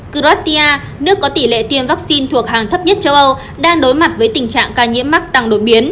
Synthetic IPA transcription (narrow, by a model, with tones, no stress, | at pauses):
kɨ˧ɾwaː˦˥t̚t̪i˧aː˧ | nɨ˦˥əkːɔ˨˦t̪i˧˩lḛ˧˨t̪i˧əmvaː˦˥k̚si˧nt̪ʰu˨˩ək̚ɦaː˨˩ŋt̪ʰə˦˥p̚ɲə˦˥t̚t͡ɕə˧wʔə˧w | ɗaː˧ŋɗo˨˦jma˨˩t̚vəː˨˦jt̪ï˨˩ŋ̟t͡ɕa̰ː˧˨ŋkaː˧˩ɲḭ˧˥əma˦˥k̚t̪a˨˩ŋɗo˨˩ɓi˨˦ən